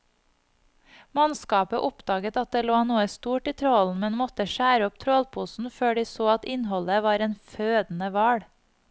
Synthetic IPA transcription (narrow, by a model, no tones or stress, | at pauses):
mɑnskɑːpəʔʊpd̪̥ɑːɡət̪ɑt̪̚d̪eːloːnuːəst̪uːʈiːt̪ʰɾoln̩mɛnmɔt̪əʃæːɾəɔpt̪ʰɾoːlpʰuːsn̩føːɖiːsoːɑt̪ɪnhɔləʋɑːɾeːnføːd̪n̩əʋæːɽ